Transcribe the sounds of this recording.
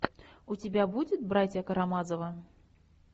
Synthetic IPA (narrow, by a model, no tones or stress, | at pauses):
ut͡sʲibʲabud͡zʲɪt̪̚bɾat͡sʲjɐkɐɾamazɐvɐ